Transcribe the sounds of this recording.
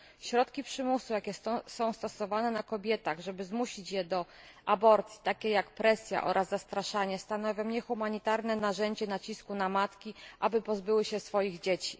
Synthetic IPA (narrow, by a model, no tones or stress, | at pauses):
ɕɾɔt̪kʲipʂɘmusujakʲɛsɔ̃w̃st̪ɔsɔvanɛnakɔbʲjɛt̪aɣʐɛbɘzmuɕit͡ɕjɛd̪ɔ | ʔabɔɾt̪sʲji̥t̪akʲɛjakpɾɛsʲja̰ʔɔ̰ɾʔazːast̪ɾaʂaɲɛst̪anɔvʲjɔ̃ɲɛxumaɲit̪aɾnɛnaʐɛɲd͡ʑɛnat͡ɕiskunamat̪kʲiʔabɘpɔzbɘwɘɕɛsfɔjiɣd͡ʑet͡ɕi̥